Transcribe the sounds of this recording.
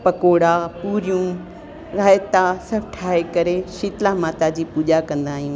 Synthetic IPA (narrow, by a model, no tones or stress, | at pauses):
pɐkoːɽapuːɾijũ | ɾaːjt̪asɐbʈʰaːekɐɾeʃiːt̪lamaːt̪ad͡ʑiːpuːʄakɐ̃nd̪aːɦijũː